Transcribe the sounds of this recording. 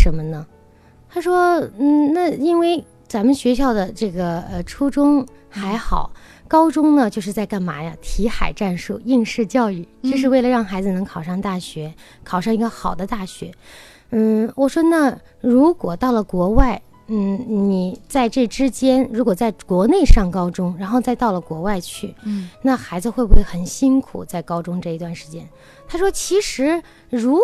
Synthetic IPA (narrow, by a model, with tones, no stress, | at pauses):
ʂə˧˥nmə˧nə˨ | t̪ʰa˥ʂwɔ˥n̩˥˩na˥˩i˥nwe˥˩ɪ | t͡sa˧˥mə˧ɕɥɛ˧˥ɕ̬jɑ˥˩ʊd̪ə˩ʈ͡ʂɤ˥˩ɡə˩ə˧ʈ͡ʂʰu˥ʈ͡ʂʊ˥ŋxa˧˥ɪxɑ˨˩˦ʊ | kɑ˥ʊʈ͡ʂʊ˥ŋnə˨t͡ɕjo˥˧ʊʂ̬ɻ̩˥˧t͡sa˥˧ɪka˥˩nma̰˧˥ja˧t̪ʰi˧˥xa̰˨˩ɪʈ͡ʂa˥˧nʂu˥˩ʊi˥˧ŋʂɻ̩˥˧t͡ɕjɑ˥˧ʊy˥˩t͡ɕjo˥˧ʂɻ̩˥˧we˥˩ɪlə˩ɻɑ˥˩ŋxa˧˥ɪd͡zɹ̩˧nɤ˧˥ŋkʰɑ˨˩ʊʂɑ˥˧ŋt̪a˥˩ɕɥɛ˧˥kʰɑ˨˩ʊʂɑ˥˩ŋi˧˥ɡə˧xɑ˨˩ʊd̪ə˦t̪a˥˩ɕɥɛ̰˧˥ | n̩˥˩wɔ˨˩ʂwɔ˥na˥˩ | ɻu˧˥kwɔ˨˩t̪ɑ˥˩ʊlə˩kwɔ˧˥wa˥˩ɪ | n̩˥˩ni˨˩t͡sa˥˧ɪʈ͡ʂɤ˥˩ʈ͡ʂɻ̩˥t͡ɕjɛ˥nɻu˧˥kwɔ˨˩t͡sa˥˩ɪkwɔ˧˥ne˥˧ɪʂɑ˥˩ŋkɑ˥ʊʈ͡ʂʊ˥ŋɻa˧˥nxo˥˧ʊt͡sa˥˧ɪt̪ɑ˥˩ʊlə˩kwɔ˧˥wa˥˧ɪt͡ɕʰy˥˩na˥˩xa˧˥ɪd͡zɹ̩˧xwe˥˧bu˥˩we˥˩xə˨˩nɕi˥nkʰṵ˨˩t͡sa˥˩ɪkɑ˥ʊʈ͡ʂʊ˥ŋʈ͡ʂɤ˥˩i˧t̪wa˥˩nʂɻ̩˧˥t͡ɕjɛ˥n | t̪ʰa˥ʂwɔ˥t͡ɕʰi˧˥ʂɻ̩˧˥ | ɻu˧˥